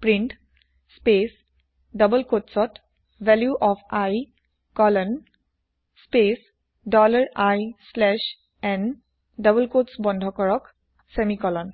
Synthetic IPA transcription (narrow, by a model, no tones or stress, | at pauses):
pɹiɳʈ | spes | dəbəlkotsɔt | vɛljuʔɔfʰaj | kɔlɔn | spes | ɖɔləɹajslɛʃ | ɛn | ɖʌbəlkotsbɔndʱɔkɔɹɔk | semikɔlɔn